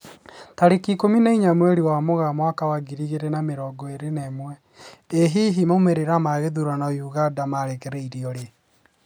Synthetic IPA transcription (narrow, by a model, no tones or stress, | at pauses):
taɾekikominaiɲamwɛɾiwamoɣamwakawaɡiɾiɣeɾenameɾɔɡɔeɾeneːmwɛ | eɦiɦimomeɾeɾamaɣeðuɾanajuɣadamaɾekɛɾɛiɾiɔɾe